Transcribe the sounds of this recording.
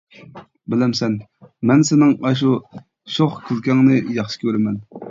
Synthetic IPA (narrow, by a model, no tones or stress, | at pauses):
bɪlɪmsɛnmɛnsɪnɪŋɑʃ̬u | ʃoχkʲʰɪlkʲʰɛŋnɨjɑχʃɪ̥kʲʰøɾɪmɛn